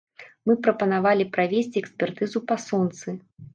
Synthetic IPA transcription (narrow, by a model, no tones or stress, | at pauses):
mɨpɾɐpɐnavalʲipɾavʲesʲt͡sʲiɛksʲpʲɛrt̪ɨzupasɔnt̪sɨ